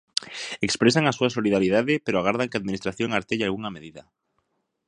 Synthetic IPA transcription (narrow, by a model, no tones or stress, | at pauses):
ekspɾesaŋasuasoliðaɾjiðaðɪpeɾoaɣaɾð̞aŋkeaðminist̪ɾaθjoŋaɾt̪eʎalɣuŋameðiða